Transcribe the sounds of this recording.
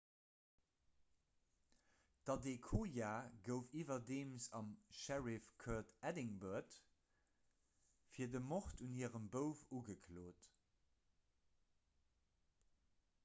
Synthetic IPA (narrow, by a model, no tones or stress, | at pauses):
d̥ɑdekʰoːjaːɡəʊfiːvɐdeːmsɑmʃæʁifkʰœtædɪŋbəɐt | fiːɐdəmɔχtunhiəʁəmbəʊfuɡəkʰloːt